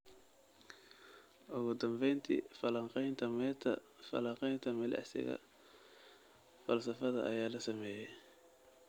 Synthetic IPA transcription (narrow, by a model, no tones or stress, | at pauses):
ʔʊɣʊd̪ɐmbɛjnt̪ʰḭfɐlɐqɛjnt̪ʰɐmɛt̪ʰɐ̰ | fɐ̰lɐqɛjnt̪ʰɐmɐlɛ̰ʕsɪ̰ɣɐ̰ | fɐlsɐfɐðɐʔɐjaːlɐsɐmɛːjɛj